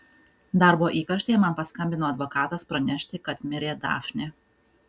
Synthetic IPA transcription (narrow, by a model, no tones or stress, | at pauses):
d̪ɑˑɾboːʔiːkɐʃʲt̪ʲejɛmɐnpɐskɐmʲbʲɪnoːɐd̪ʋɔkɑːt̪ɐspɾɐnʲɛʃʲt̪ʲɪkɐt̪mʲɪɾʲeːd̪ɑ̰ːfʲnʲe